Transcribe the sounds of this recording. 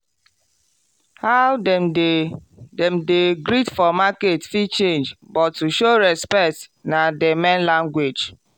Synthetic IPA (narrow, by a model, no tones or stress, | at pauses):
hawdɛ | dɛmdeɡɾitfɔmaketfit͡ʃẽnd͡ʒbɔtːuʃoɾɛspɛk̚tnademɛ̃nlãŋɡwed͡ʒ